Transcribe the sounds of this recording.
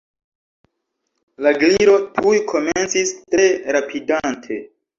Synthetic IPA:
laɡliɾo̞tʰujkʰo̞ment͡sistɾe̞ɾapʰidantʰe̞

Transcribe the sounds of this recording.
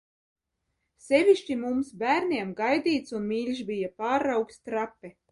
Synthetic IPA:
sʲevʲiʃt͡ʃimumsbʲæːɾnʲiɛmɡajd̪ʲiːt̪sunmʲilʲʃbʲijapaːɾːawkst̪ɾapʲːɛ

